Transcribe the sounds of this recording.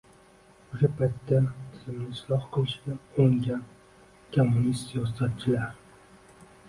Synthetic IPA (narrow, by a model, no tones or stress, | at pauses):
ʊʃapʰajt̪ːat̪ʰɪzɪmlɪslˠɒhqʰolˠʃɪɡ̪ʲaoŋɡʲan | kʰomːʊnist̪sijɒsat̪̚t͡ʃʰɪlaɾ